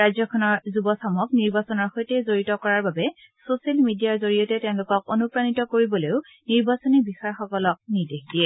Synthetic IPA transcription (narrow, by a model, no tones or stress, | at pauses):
ɹazjɔkʰɔnɔɹzubɔsamɔkniɹbasɔnɔɹxojtɛzoɹitɔkɔɹaɹbabɛ | sosalmidijaɹzoɹiɔtɛteʊ̃lʊkɔkonupɹanitɔkoɹibɔlojʊ | niɹbasɔnibixajxɔkɔlɔk̚nidexdiɛ